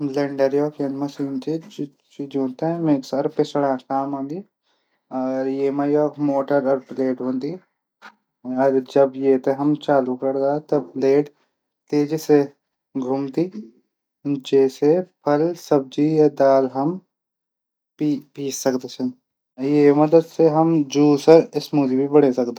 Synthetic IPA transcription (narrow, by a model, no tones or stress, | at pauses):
lɐɳɖəɾjoːkɐnmɐsiːnt̪i | t͡ʃid͡ʒuːt̪ẽmẽːksɐɾpesɐɽaːkaːmõːnd̪i | ɔːɾjeːmɐjoːkmoːʈəɾɔɾpleːʈɦõːnd̪i | ɔɾd͡ʒɐbjeːt̪eɦɐmt͡ʃaːlukɐɾd̪aːt̪ɐpleːʈ | t̪eːd͡ʒise | ɡʱʊmt̪i | d͡ʒɛːsepʰɐlsɐb̚d͡ʒijad̪aːlɦɐm | pipiːssɐkd̪esʰɐ̃ | jeːmɐd̪əd̪seɦɐmd͡ʒuːsəɾɪsmuːd̪ibʱibɐɽesɐkd̪e